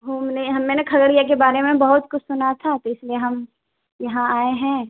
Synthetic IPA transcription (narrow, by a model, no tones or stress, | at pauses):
ɦuːmneɦɐmːɛːnekʰɐɡəɽijak̬ebaːɾemẽbɐɦʊt̪kʊt͡ʃʰsʊnat̪ʰat̪oɪslieɦɐm | jɐɦãaːeɦɛ̃